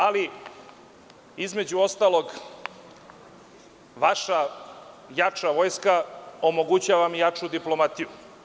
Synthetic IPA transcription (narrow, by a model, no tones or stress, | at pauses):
ali | izme̞d͡ʑuo̞st̪aːlo̞ɡ | ʋaʃa | jat͡ʂaʋo̞jskao̞mo̞ɡut͡ɕaːʋamjat͡ʂud̪iplo̞mat̪iju